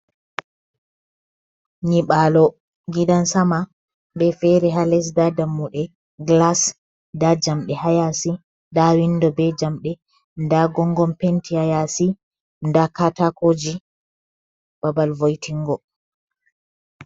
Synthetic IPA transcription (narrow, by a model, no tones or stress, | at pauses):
ɲiɓalɔ | ɡidansama | bɛfɛɾɛɦalɛs̬dadamːuɗɛ | ɡlas | dad͡ʒamɗɛhajasi | dawindɔbɛd͡ʒamɗɛ | ndaɡɔŋɡɔmpentʰihajasi | ndakatakod͡ʒi | b̥abalvojtʰiŋɡɔ